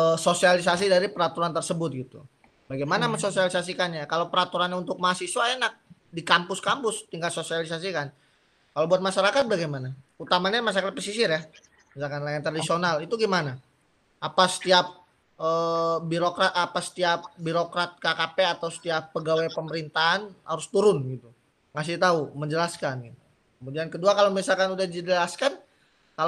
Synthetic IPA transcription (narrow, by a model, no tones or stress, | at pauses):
əsosialis̬as̬idaɾipəɾat̪uɾant̪ərsəbʊt̪̚ɡit̪ṵ | baɡajmanaməsosialisas̬ikanɲakalawpəɾat̪uɾanɲaunt̪ʊk̚maasiswaenak̚ | dikampʊskampʊst̪iŋɡalsosialisas̬ikan | kalawbuat̪̚maʃaɾakat̪̚baɡajmanaut̪amaɲamas̬akat̪̚pəsisɪrja | bisalkanlajant̪ɾadisionalit̪uɡimana | apasə̥t̪iap̚ | əbiɾokɾat̪apasə̥t̪iap̚biɾokɾat̪̚kakapeat̪awsə̥t̪iapːəɡawepəməɾint̪aɦanha̰ɾʊst̪uɾʊnɡit̪u | ŋas̬ɪht̪auməɲd͡ʒəlaskanɡit̪u | kəmudiankəduakalamisalkanudahdiəlaskan | ka